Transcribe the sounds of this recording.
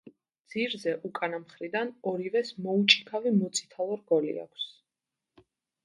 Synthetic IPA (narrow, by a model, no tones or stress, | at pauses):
d̪z̥iɾzɛʔukʼanamχɾid̪anɔɾivɛsmɔut͡ʃʼikʰavimɔt̪sʰʼi̥t̪ʰalˠɔɾɡɔlḭa̰kʷʰs